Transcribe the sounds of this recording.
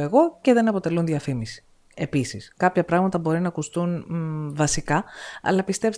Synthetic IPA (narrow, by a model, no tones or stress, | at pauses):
e̞ɣo̞ce̞ðe̞nɐpo̞t̪e̞lunðiɐfimisi̥ | e̞pisiskɐpçɐpɾɐɣmɐt̪ɐbo̞ɾinɐkust̪unvɐsikɐɐ̰lɐpist̪e̞ps